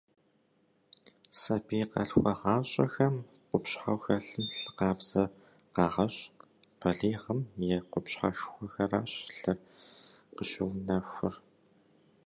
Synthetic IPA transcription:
sɐpiːqɐ̰ɬxʷɐʁaːɕʼɐ̰xɐm | qʷʊpɕħawxɐɬɨmɬɨqɑːbz̥ɐ | qɑːʁɐɕʼ | pʰɐɮiːʁəmjɛqʷʊpɕħa̰ʃxʷɔxɐraːɕɬɨr | qəɕɐwnɐxʷʊr

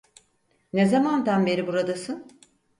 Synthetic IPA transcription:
nezamand̪anbe̞ɾibuɾad̪asɯn

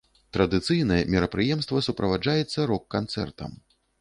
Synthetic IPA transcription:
t̪ɾɐd̪ɨt̪sɨjnɐjɛmʲiɾɐpɾɨjɛmst̪vɐsupɾɐvad͡ʐajɛt̪sːɐɾɔkːant̪sɛ̰rt̪ɐ̰m

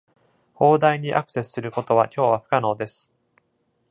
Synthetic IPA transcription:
ho̞ːd̪aiɲ̟iʔa̰kɯ̟̥se̞sɨ̥sɨɾɯ̟ko̞t̪o̞βakʲo̞ːβaɸɯ̟̥kano̞ːd̪e̞sɨ̥

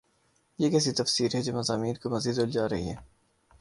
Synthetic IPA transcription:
jekɛːs̬it̪ɐfsiːɾɦɛd͡ʒoːmɐzaːmiːnkomɐziːd̪ɪld͡ʒaːɾɐɦḭɦɛ̰ː

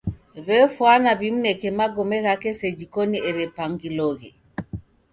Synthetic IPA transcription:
βɛfwanaβimunɛkɛmaɡɔmɛɣakɛsɛd͡ʒikɔniɛɾɛpaŋɡilɔɣɛ

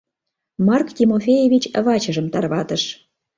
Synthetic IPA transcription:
mɑrkt̪ʲimofʲejevʲit͡ɕəβɑt͡ɕə̆ʒə̆mt̪ɑrβɑt̪əʃ

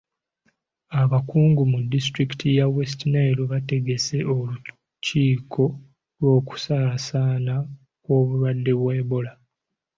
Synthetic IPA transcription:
aβakuːŋɡumudːistɾiki̥tʰijawestinajloβate̞ɡe̞se̞olu | ciːkʰo̞ | lwo̞ːku̥sasaːna | kwo̞ːβulwadːe̞βweːβola

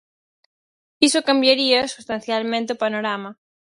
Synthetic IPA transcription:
isokambjaɾiɐsust̪ãnθjalmẽnt̪ɪopanoɾamɐ

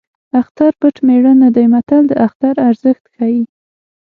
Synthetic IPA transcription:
axt̪aɾpəʈmeɽənad̪ajmat̪ald̪əʔaxt̪aɾaɾzəxt̪xaji

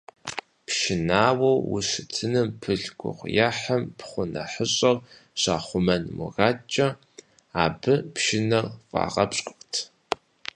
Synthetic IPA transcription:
pʃɪnaːwɐwwʊ̰ɕɪtʰɨnɨmpʰɨɮɡʷʊ̰ʁʷjaħɐmpχʷʊnɐ̰ħəɕʼɐr | ɕa̰ːχʷʊmɐnmʊ̰ɣaːt͡ʃʼɐ | aːbɨpʃɪnɐrfʼa̰ːʁɐpɕʼqʷʼʊktʰ

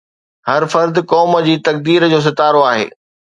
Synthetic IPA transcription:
hɐɾfɐɾd̪ɪkɔːmə̆d͡ʑiːt̪ɐk̚d̪iːɾd͡ʑoːs̬ɪt̪aːɾoaːɦḛː

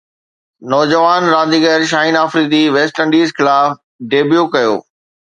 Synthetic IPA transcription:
nɔːd͡ʑəʋaːnɾãːnd̪iɡəɾʃ̬aːinaːfɾiːd̪iʋeːsʈɐ̃ɳɖiːzxɪlaːf | ɖeːbjukɐjo̰ː

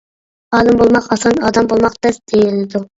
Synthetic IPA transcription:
ɑːlˠɨmbolˠmɑqɑsɑnɑːd̪ɑmbolˠmɑqd̪ɛsd̪̥ejilɪd̪u

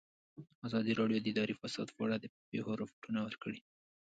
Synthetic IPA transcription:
azɑd̪iɾɑɖjod̪əɪd̪ɑɾifasɑ̰d̪pəaɽad̪əpexoɾafuʈunawəɾkəɽi

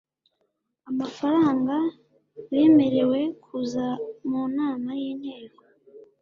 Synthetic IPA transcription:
amafaɾaːŋɡa | je̞ːme̞ɾe̞we̞kʰuzamuːnaːmajiːn̥he̞ːko

